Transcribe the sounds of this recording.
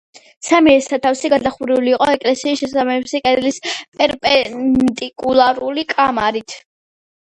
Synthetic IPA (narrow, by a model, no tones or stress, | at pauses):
samiɛɾsat̪ʰafsiɡad̪aχuɾiuliːqʼɔɛkʼlɛsiːsʃɛsaɛbsɛqʼɛd̪lispʼɛɾpʼɛd̪ʼikʼulˠaɾulikʼamaɾit̪ʰ